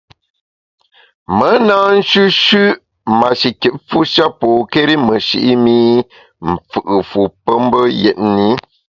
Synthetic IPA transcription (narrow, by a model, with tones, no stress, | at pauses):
mə˨˦naː˦n̩˦ʃʉ˦ʃʉ˦ | ma˨ʃi˨ki˨t̚fu˦ʃa˦po˨ke˦ɾi˦mə˨ʃḭ˨ʔi˦mi˦ | m̩˨fɯ˨ʔɨ˨fu˨pə˦m˦bə˦jɛ̰˨t̚ni˦